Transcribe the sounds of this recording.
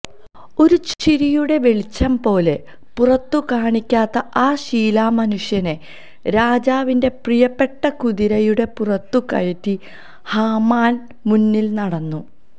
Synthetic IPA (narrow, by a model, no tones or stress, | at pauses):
o̞ɾut͡ɕiɾijuɽe̞ʋe̞ɭit͡ɕːɐmpo̞ːle̞ | purɐt̪ːukaːɳikʲːaːt̪ːɐaːɕiːlaːmɐnuʂjɐne | ɾaːd͡ʑaːʋinde̞prijɐpːe̞ʈːɐkuðiɾɐjuɽe̞purɐt̪ːukɐ̰ɻɐtːi | haːmaːn | munːilnɐɽɐnːu